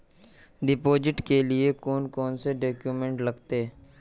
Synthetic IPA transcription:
ɖɪpoːd͡ʒɪʈkeliekoːnkɔːnseɖoːkjuːmẽɳʈlɐɡt̪e

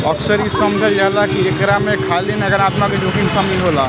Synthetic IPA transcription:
əksəɾisəmd͡ʒʱəld͡ʒalakiekɾamekʰalinɐɡəɾaːt̪maked͡ʒokiŋɡsəmiɦola

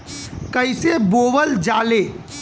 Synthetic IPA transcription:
kəɪseboːʋəld͡ʒaːleː

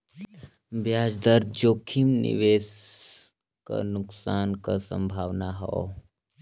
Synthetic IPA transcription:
bjaːd͡ʒd̪əɾd̪̚d͡ʒoːkʰimnɪ̰ʋeːs | ka̰nʊksaːnkasə̰̃mbʱaːʋnaɦɔ̰

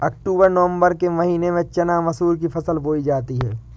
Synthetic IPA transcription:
ɐkʈuːbəɾnɐʋə̃mbəɾkemɐɦiːnemẽt͡ʃɐnaːʋɐsuːɾkifʰɐsəlboːid͡ʒaːt̪iɦɛ̰ː

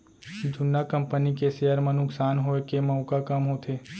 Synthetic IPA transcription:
d͡ʒʱʊnːakə̃mpənikesejəɾmãnʊksaːnɦoekemɐʊkakəmɦot̪ʰeː

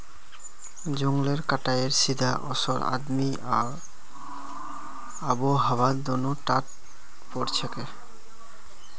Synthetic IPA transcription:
d͡ʑoŋleɾkaʈajeɾsid̪ʱaʔɔsɔɾa̰d̪mi | aboɦaβad̪onoʈat̪̚ | pɔɾt͡ɕʰeke

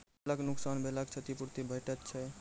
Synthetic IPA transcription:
ləknʊksanbʱelakt͡ʃʰət̪ipuɾt̪ibʱəjʈət̪t͡ʃʰɛ

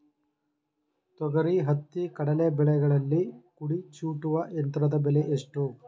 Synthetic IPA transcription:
t̪ɔɡɐɾiɦɐt̪ːikɐɽɐnebɛɭɛɡɐɭɐlːikuɽit͡ʃuːʈuʋɐʔent̪ɾɐd̪ɐbɛleʔeʂʈu

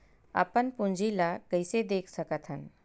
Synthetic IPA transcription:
ə̰pənpũnd͡ʒʱilakəjsed̪eːkʰsəkət̪ʰɦən

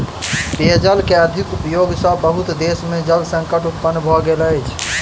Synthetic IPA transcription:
t̪ed͡ʒəlkeəd̪ʱikupjoɡsə̃bəɦut̪d̪esmed͡ʒəlsə̃ŋkəʈup̪pənːbʱɔɡeləjt͡ʃʰ

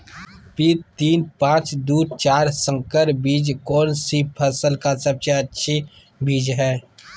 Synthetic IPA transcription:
piːɾt̪iːnpãːt͡ʃd̪uːɾt͡ʃaːɾsə̃ŋkəɾbiːd͡ʒkɔːnsipʰəsəlkasəbseɐtːʃʰi | biːd͡ʒɦɛː

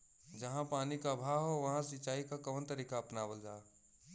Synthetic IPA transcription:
d͡ʒɐɦãpaːnikabʱaːʋɦoʋɐɦãsit͡ʃaːikakɔːnt̪ɐɾiːkaːpnaːʋəld͡ʒaː

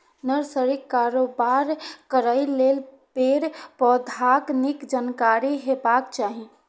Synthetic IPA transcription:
nəɾsəɾɪkːaːɾobaɾkəɾaileːl | peːɾpɔd̪ʱaknɪkd͡ʒənkaːɾiɦebaːkt͡ʃaːɦi

